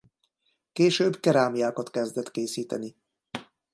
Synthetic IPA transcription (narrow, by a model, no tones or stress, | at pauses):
keːʃøːbkɛɾaːmijaːkɒt̪kɛzd̪ɛt̪keːsiːt̪ɛ̰ni